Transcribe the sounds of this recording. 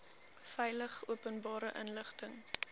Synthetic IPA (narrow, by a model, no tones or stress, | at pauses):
fɛjləχuəpənbɑːɾəʔənləχtəŋ